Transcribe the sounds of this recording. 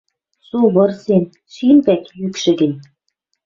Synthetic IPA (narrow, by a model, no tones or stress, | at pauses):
suβɤ̆rsen | ʃimpæk̪jykʃɘ̆ɡɘ̆nʲ